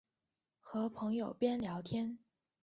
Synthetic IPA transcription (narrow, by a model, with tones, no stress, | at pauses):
xɤ˧˥pʰɤ˧˥ŋjo˨˩ʊpjɛ˥nljɑ˧˥ʊt̪ʰjɛ˥n